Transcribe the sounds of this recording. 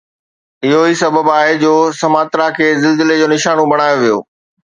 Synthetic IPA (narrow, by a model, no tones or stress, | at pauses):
ɪɦoɦisɐbəbaːɦed͡ʑoːsɐmaːt̪ɾakʰeːzɪlzɪled͡ʑoːnɪʃaːnõbɐɽ̃aːjoʋijo̰ː